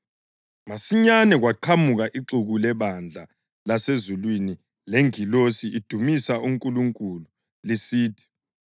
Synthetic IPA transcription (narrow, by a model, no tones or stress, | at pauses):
masiɲanɛɣ̬waǃʰamuɣ̬aʔiǃuɣulɛɓand͡ɮʱa | lasezulwini | leŋilosiid̥ʱumisaʔuŋkʼuluŋkʼulu | lisiːtʰi̥